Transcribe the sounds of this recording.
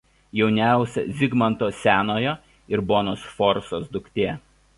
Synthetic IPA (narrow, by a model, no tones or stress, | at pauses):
jɛʊnʲæˑʊsʲɛ̰zʲɪɡmɐnt̪oːsʲæːnoːjo | ɪɾboːnoːsfɔɾsoːsd̪ʊkʲt̪ʲeː